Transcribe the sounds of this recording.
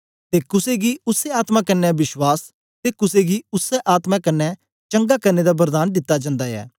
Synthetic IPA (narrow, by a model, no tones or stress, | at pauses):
t̪eːkʊseɡiːʊseaːt̪mãːkɐnːɛbɪʃwaːs | t̪eːkʊseːɡiːʊsːɛʔaːt̪maːkɐnːɛ | t͡ʃə̃ŋɡaːkɐɾneːd̪aːbəɾd̪aːnd̪ɪt̪ːad͡ʒãːnd̪aːɛ̰ː